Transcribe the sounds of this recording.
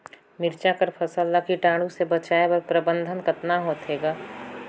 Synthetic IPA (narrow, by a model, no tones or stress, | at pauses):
mɪɾt͡ʃakəɾpʰɐsəlːakiʈãːɽũsebɐt͡ʃaːebəɾpɾəbə̃nd̪ʱənkɐt̪naɦoːt̪eːɡaː